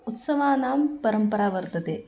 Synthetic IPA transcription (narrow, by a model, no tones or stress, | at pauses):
ut̪sɐʋaːnaːmpɐɾɐmpɐɾaːʋɐɾt̪ɐt̪eː